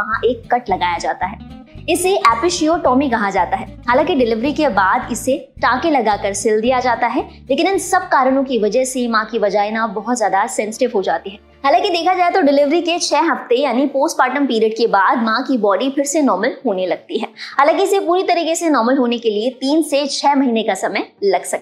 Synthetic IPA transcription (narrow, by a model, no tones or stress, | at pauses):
ɐɦãʔeːkːɐʈlɐɡaːjad͡ʒaːt̪aɦɛː | ɪseʔɛːpɪʃioːʈɔːmikɐɦad͡ʒaːt̪aɦɛːɦaːlãːkiɖɪlɪʋɾikebaːd̪ɪse | ʈãːkelɐɡaːkɐɾsɪld̪ijad͡ʒaːt̪aɦɛ | leːkɪnɪ̃nsɐb̚kaːɾəɽ̃õkiʋɐd͡ʒəɦsemãːkiʋɐd͡ʒaːɪnabɐɦʊt̪zjaːd̪asɛ̃nsɪ̥ʈɪʋɦod͡ʒaːt̪iɦɛː | ɦaːlãːkid̪eːkʰad͡ʒaːet̪oɖɪlɪʋɾiket͡ʃʰɛːɦɐft̪ejaːnipoːsʈpaːʈəmpiːɾiəɖ̚kebaːd̪̚mãːkibɔːɖipʰɪɾsenɔːɾməlɦoːnelɐɡ̚t̪iɦɛːhaːlãːkiɪsepuːɾit̪ɐɾiːkesenɔːɾməlɦoːnekeliet̪iːnset͡ʃʰɛːmɐɦiːnekasɐməjlɐɡsɐk̚ː